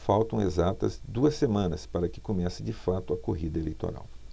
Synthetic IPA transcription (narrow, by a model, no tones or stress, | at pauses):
fawt̪ɐ̃w̃ezat̪ɐ̰zd̪uɐsemɐ̃nɐspaɾɐkɪ̥komɛsɪd͡ʒɪfat̪ʊɐkoɦid̪ɐelejt̪o̰ɾa̰w